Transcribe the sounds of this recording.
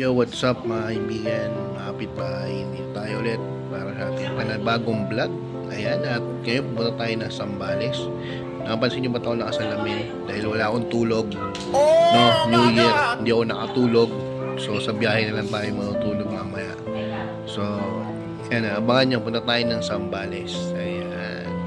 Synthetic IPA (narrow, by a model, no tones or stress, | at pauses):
jowat̪sap̚mɐɐhɪbiːɡɐnmɐapɪt̪ajɪnd̪it̪aːjoʔolɛt̪̚ | paːɾɐsɐʔaːt̪ɪŋpɐnɐbaːɡoŋblaɡ̚ | ʔɐjanʔɐt̪̚ŋɐjopʊpʊnt̪at̪aːjonɐŋsɐmbaːlɛs | nɐkɐpɐnsɪɪɲompɐt̪ɐʔonɐkɐsɐlamɪnd̪aːhɪlwɐlaːʔɐkont̪uːlo̞ɡ̚ | no̞njujiɹhɪnd̪iɐkonɐkɐt̪uːlo̞ɡ̚ | so̞sɐbjaːhɛnɐlant̪aːjomɐt̪ut̪uːloɡ̚mɐmɐja̰ʔ | so̞ | ɐjanɐʔɐbaŋanɲːopʊnt̪at̪aːjonɐŋsɐmbaːlɛsʔɐja | n